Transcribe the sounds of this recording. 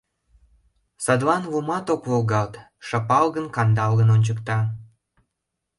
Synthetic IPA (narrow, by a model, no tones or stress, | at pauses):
sɑd̪lɑnβumɑt̪okβolɣɑlt̪ | ʃɑpɑlɣənkɑnd̪ɑlɣənonʲt͡ɕəkt̪ɑ